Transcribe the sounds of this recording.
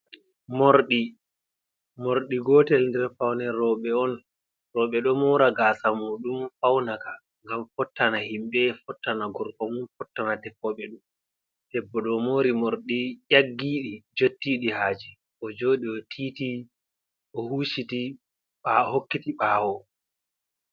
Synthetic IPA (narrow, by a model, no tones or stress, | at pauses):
moɾɗi | moɾɗiɡɔːtɛlndɛɾfawnɛɾɔɓɛɔn | rɔɓɛɗɔmɔːɾaɡasamuɗumfawnaka | ŋɡamfɔtːanahimɓɛfɔtːanaɡɔɾkɔmunfɔtːanatɛpːɔɓɛɗum | d̥ɛbːɔɗɔmoːɾimoɾɗijaɡːiːɗid͡ʒotːiɗihaːd͡ʒi | ʔɔd͡ʒoːɗiɔtʰiːti | ʔɔhuːʃiti | ɓahokːitiɓaːwɔ